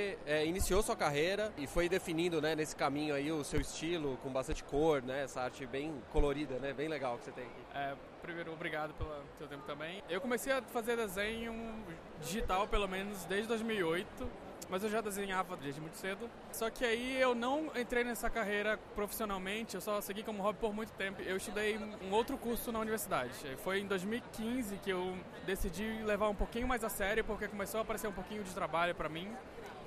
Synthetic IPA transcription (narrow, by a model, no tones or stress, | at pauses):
eɛinisiosuɐkaɦejɾɐɪfojd̪efinĩnd̪ʊnɛnesɪ̥kamĩɲʊaiʊsewɪst͡ʃilʊkõbast̪ɐ̃nt͡ʃɪ̥koɾnɛɛsɐaɾt͡ʃɪbẽj̃koloɾid̪ɐnɛbẽj̃leɡawkɪset̪ẽj̃ɐkiɛ | pɾimejɾʊobɾiɡad̪ʊpelɐsewt̪ẽpʊt̪ɐ̃mbẽj̃ewkõmesejɐfazeɾd̪ezẽɲʊ | d͡ʒiʒit̪awpelomẽnʊzd̪ejzd͡ʒɪd̪ojzmiwiojt̪ʊ | mɐzewʒad̪ezẽɲavɐd͡ʒed͡ʒɪmũj̃t̪ʊsed̪ʊ | sɔkɪaiewnɐ̃w̃ẽnt̪ɾejnɛsɐkaɦejɾɐpɾofi̥sionawmẽt͡ʃɪewsɔseɡikõmʊɦɔbɪpoɾmũj̃t̪ʊ̥t̪ẽmpʊewɪst̪ud̪ejũowt̪ɾʊkuɾsʊnɐuniveɾsid̪ad͡ʒɪfojẽd̪ojzmiwikĩzɪkɪew | d̪esid͡ʒilevaɾũpokĩɲʊmajzasɛɾjʊpoɾkekõmesowapaɾeseɾũpokĩɲʊd͡ʒɪt̪ɾabaʎʊpɾɐmĩ